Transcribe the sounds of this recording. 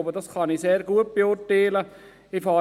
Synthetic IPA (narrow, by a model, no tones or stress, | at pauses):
bədɑskɑniːseːɾɡuət̚b̥eʊɾtɛːlə | ɪfɑː